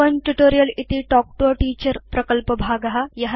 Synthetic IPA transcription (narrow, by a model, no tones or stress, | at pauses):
ənʈuʈoːɾijəlit̪iːʈɔk̚ʈoʈiːt͡ɕəɾpɾɐkəlpəbʱaɡaɦajɐɦ